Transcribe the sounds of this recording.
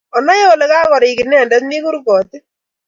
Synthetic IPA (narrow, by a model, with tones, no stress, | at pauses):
ɔ˨nɔ˦je˦o˨le˦kaː˦kɔ˨ɾi˨kɪ˨nɛ˦˨ndɛ˦t̪ni˦ku˦ɾkɔː˨t̪i˦